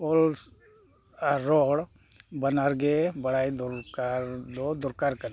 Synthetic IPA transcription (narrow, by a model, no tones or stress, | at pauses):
ols | aɾoɽ | bɐnaɾɡebɐɽajd̪uɾkaɾd̪od̪uɾkaɾkɐl